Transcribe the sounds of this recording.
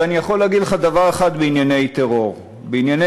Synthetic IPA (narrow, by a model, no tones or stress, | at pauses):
anijaχo̞lːeaɡid̪leχad̪avaʁeχad̪beinjane̞jt̪eʁo̞ʁ | beinjane